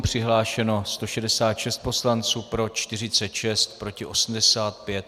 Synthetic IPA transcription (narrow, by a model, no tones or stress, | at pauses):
pr̝̥ɪɦlaːʃɛno̞st̪o̞ʃɛdɛsaːt̪ʃɛst̪̚po̞slant͡suːpɾo̞t͡ʃt̪ɪr̝ɪt͡sɛt̪ʃɛst̪pɾo̞cɪʔo̞sm̩dɛsaːt̪pjɛt̪